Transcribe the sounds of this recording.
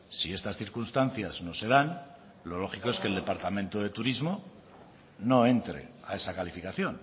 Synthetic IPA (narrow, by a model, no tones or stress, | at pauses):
sie̞st̪asθiɾkunst̪an̟θjazno̞se̞ðan | lo̞lo̞xiko̞eske̞ld̪e̞paɾt̪amẽnt̪oðe̞t̪uɾizmo̞ | no̞e̞nt̪ɾe̞̰ae̞sakalifikaθjo̞n